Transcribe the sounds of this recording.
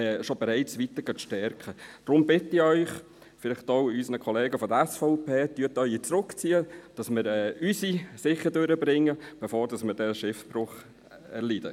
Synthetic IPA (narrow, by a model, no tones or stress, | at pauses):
ʃobɛɾɛɪt͡sʋit̪əɡ̥ɑʃtɛɾkχəd̥ɾʊmbɪtɪœʏχ | fɪlɪχt̪owysənəkʰɔleːɡəfɔd̪əæsfɔʊpʰeːtyːətœʏit͡sɾøkt͡siːəd̥ɑsmɪɾɛːysisɪχːədøɾəbɾɪŋːəb̥ɛfoːɾdɑsmɪɾdɛʃɪfb̥rʊχ | ɛ̰ɾlid̥ə